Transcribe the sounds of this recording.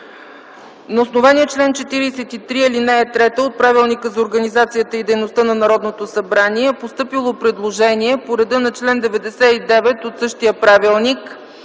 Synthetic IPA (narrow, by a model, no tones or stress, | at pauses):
nɐosnovanijət͡ʃlɛnt͡ʃɛt̪iɾisɛt̪it̪ɾiilinɛɛt̪ɾɛt̪əot̪̚pɾavilˠnikəzɐoɾɡənizat̪sijət̪əid̪ɛjnost̪ənɐnɐɾɔd̪not̪osɐbɾaniɛpost̪ɤpilˠopɾɛd̪lˠoʒɛniɛpoɾɛd̪ɤnɐt͡ʃlɛnd̪ɛvɛd̪ɛsɛid̪ɛvɛt̪ot̪sɤʃt̪iəpɾavilˠnik